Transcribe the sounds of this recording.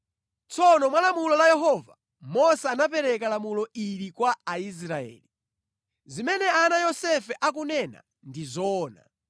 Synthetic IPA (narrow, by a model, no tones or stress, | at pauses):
t͡sʰɔnɔmwalamulɔlajɛɦɔva | mɔsɛanap̬ɛɾɛkalamulɔʔilikwaːis̬ɾaɛ̰ːli | zimɛnɛanajɔsɛfɛʔak̬unɛna̰ | ndizɔːna̰